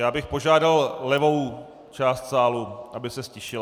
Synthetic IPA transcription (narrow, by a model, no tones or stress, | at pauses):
jaːbɪxpo̞ʒaːdallɛvo̞w | t͡ʃaːst̪saːluʔabɪsɛscɪʃɪl